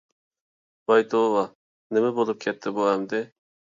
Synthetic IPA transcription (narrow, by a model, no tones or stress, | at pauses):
bɑjt̪ʰowɑ | nɪmɛbolˠup̚kʲʰɛt̪ʰːɪbuɛmd̪ɪ